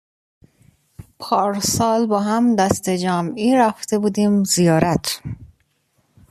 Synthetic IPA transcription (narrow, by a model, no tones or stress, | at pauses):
pʰɒːɾsɒːlbɒːɦæmd̪æst̪ed͡ʒæːmiːɾæft̪e̞buːd̪iːmzijɒːɾæt̪ʰ